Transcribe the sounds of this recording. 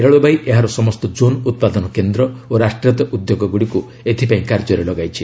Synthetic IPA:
eɾɔɭɔbajʔeɦaɾɔsɔmɔst̪ɔd͡ʒonut̪̚pad̪ɔnɔkend̪ɾɔoɾasʈɾjɔt̪ɔʔud̪joɡɔɡuɽiku | et̪ʰipaĩkaɾd͡ʒɔɾelɔɡajt͡ʃʰi

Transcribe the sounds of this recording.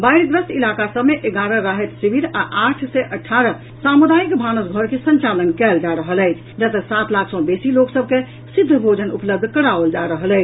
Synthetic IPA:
bajɾɡ̪ɾəsʈ̪ilakasəbmeʔeɡaɾəɾaɦet̪sibiɾaʔaʈʰsɛʔəʈʰaɾə | samud̪aikbʱanəsɡʱəɾkesə̃nt͡ʃalənkɛld͡ʒaɾəɦələjt͡ʃʰd͡ʒət̪əsat̪lakʰsɔ̃besiloksəb̚ʱke | sid̪ʱːəbʱod͡ʒənupləb̚d̪ʱkəɽaʋəld͡ʒaɾəɦələɪt͡ʃʰ

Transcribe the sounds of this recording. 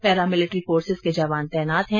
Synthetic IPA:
pɛːɾamɪlɪʈɾifoːɾsɪzked͡ʒaːʋaːnt̪ɛːnaːt̪ɦɛ̃

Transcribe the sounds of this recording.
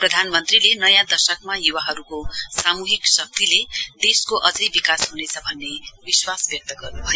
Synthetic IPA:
prʌd̪ʱanmʌnt̪rilenʌjãd̪ʌsʌkmajuwaɦʌɾukosamuɦiksʌk̚t̪iled̪̥eskoʔʌd͡zʌjbikasɦunet͡sʰʌbʱʌnːebiswasbjʌk̚t̪ʌɡʌrnubʱʌjo

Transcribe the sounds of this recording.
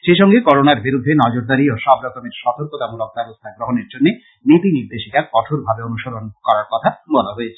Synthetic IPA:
ʃeʃɔŋɡekɔɾonaɾbiɾud̪ʱːenɔd͡ʑoɾd̪aɾioʃɔbɾɔk̪omeɾʃɔt̪oɾkot̪amulok̚b̪abost̪ʰaɡɾoɦoneɾd͡ʑonːe | nit̪iniɾd̪eʃik̪akɔʈʰoɾbʱabeonuʃoɾonkɔɾaɾkɔt̪ʰabɔlaɦoet͡ɕʰe̥

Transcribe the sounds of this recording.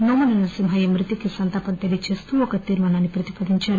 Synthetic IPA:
noːmunɐnɐsimɦɐjɐmɾit̪ikesɐnt̪ɐpɐnt̪elit͡ʃeːst̪uɔkɐt̪iːɾmɐːnaːnːipɾɐt̪ipɐd̪iɲt͡ʃaːɾu

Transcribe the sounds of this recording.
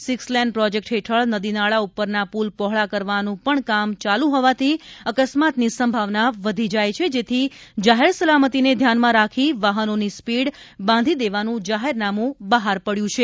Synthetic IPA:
sɪkslɛnɖpɾɔd͡ʒek̚ʈɦeʈʰəɭnəd̪inaɭaupəɾnapulpɔɦɭakəɾʋanũpəɳkamt͡ʃalũɦɔʋat̪ʰiəkəsmat̪nisəmbʱaʋnaʋəd̪ʱid͡ʒajt͡ʃʰed͡ʒet̪ʰid͡ʒaɦeɾsəlamət̪ined̪ʱjanmãɾakʰiʋaɦənonispiɽbãnd̪ʱid̪eʋanũd͡ʒaɦeɾnamũbəɦaɾpəɽjũt͡ʃʰe

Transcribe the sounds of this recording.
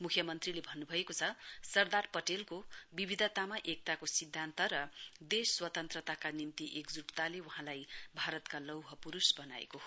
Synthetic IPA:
mukʰjʌmʌnt̪rilebʱʌnːubʱʌekot͡sʰʌsʌrd̪arpʌʈelkobibʱid̪ʱʌt̪amaʔek̚t̪akosid̪ʱːant̪ʌɾʌd̪esːwʌt̪ʌnt̪rʌt̪akanint̪iʔekd͡zuʈt̪aleuɦãlajbʱaɾʌt̪kalʌwɦʌpuɾusbʌnaḛkoɦo

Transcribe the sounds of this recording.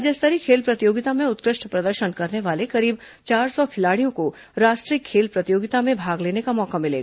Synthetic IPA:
d͡ʒɛst̪əɾikʰeːlpɾɐt̪joːɡɪt̪amẽʊt̪kɾɪʃʈpɾɐd̪əɾʃənkɐɾneʋaːlekɐɾiːb | t͡ʃaːɾsɔkʰɪlaːɽijõko | ɾaːʃʈɾiːəkʰːeːlpɾɐt̪ɪjoːɡɪt̪amẽbʱaːɡleːnekamɔːkamɪlḛːɡaː

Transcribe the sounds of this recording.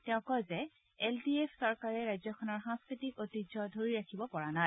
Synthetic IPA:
tɛʊ̃kɔzɛ | eldiepʰsɔɹkaɹɛɹajzɔkʰɔnɔɹxãŋskɹitikotid͡ʒɔdʱoɹiɹakʰibɔpɔɹanaj

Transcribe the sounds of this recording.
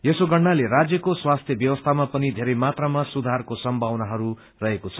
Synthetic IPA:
jesoɡʌɽːaleɾad͡zjʌkoswast̪ʰjʌbjʌwʌst̪ʰamapʌnid̪ʱeɾʌjmat̪ramasud̪ʱarkosʌmbʱawnaɦʌɾu | rʌɦekot͡sʰʌ̥

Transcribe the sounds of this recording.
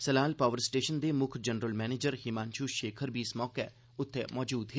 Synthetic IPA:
səlaːlpaːʋəɾsʈeːʃənd̪eːmʊkʰd͡ʒənɾəlmɛːneːd͡ʒəɾɦɪmãːnʃuːʃeːkʰəɾbʱiːɪsmɔːke | ʊt̪ʰːemɔːd͡ʒuːd̪ɦeː

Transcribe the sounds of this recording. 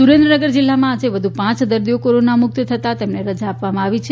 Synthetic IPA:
suɾẽnd̪ɾənəɡəɾd͡ʒilːamãːd͡ʒeʋəd̪ʱupãt͡ʃd̪əɾd̪ijokoɾonamʊk̚t̪t̪ʰət̪at̪emneɾəd͡ʒaːpʋamãaʋit͡ʃʰe

